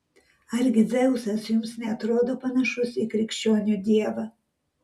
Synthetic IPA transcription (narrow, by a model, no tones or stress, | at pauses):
aɾʲɡʲɪd̪zʲɛʊsɐsjʊmsnʲɛɐt̪ɾoːd̪oːpanɐʃʊsikɾʲɪkʃʲt͡ʃʲoːnʲud̪ʲiɛʋɐ